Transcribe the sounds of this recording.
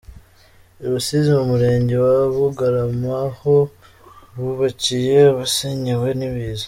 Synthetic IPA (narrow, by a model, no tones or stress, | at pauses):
uβusizimumuɾe̞ːɲɟe̞waβuɡaɾamaho̞ | βuβacije̞βaseɲiwe̞niβiːzo